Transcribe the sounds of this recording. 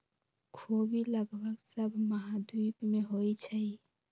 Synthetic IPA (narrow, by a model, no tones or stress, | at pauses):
kʰobiləɡbəksəbʱməɦad̪ipmeɦojt͡ʃʰəj